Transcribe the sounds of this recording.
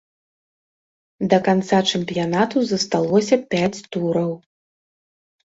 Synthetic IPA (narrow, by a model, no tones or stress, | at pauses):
d̪ɐkant̪sat͡ʂɛmpʲijanat̪uzɐst̪alˠɔsʲɐpʲat͡sʲt̪uɾɐw